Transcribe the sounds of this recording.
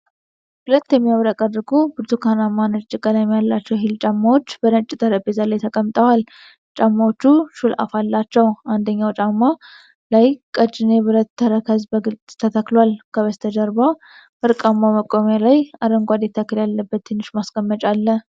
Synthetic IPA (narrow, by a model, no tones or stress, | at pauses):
ʔʊlət̪ːjɛmːijaβɾəkʼədːɨɡubɨɾt̪ʰukʰanamːanət͡ʃʼːɪkʼːələmjalːat͡ʃːɛwɦɪlt͡ʃʼamːawo̞t͡ʃːbəd̪ət͡ʃʼːɪt̪ʰəɾəbezalajt̪ʰəkʼəmt̪ʼəwal | t͡ʃʼamːawot͡ʃːuʃulʔa̰falːat͡ʃːɛwand̪əɲːawt͡ʃʼamːa | lajkʼət͡ʃʼːɪneβɨɾət̪ʰːəɾəkʰəzbəɡɨlt͡sʼt̪ʰət̪ʰəklwalkʰəβəst̪ʰəd͡ʒəɾba | ʔɨɾkʼamːaməkʼomjalajaɾəŋɡʷad̪ɛt̪ʰːəkːɨljalːəbːət̪ːɨnːɨʃmaskʼəmːət͡ʃʼalːə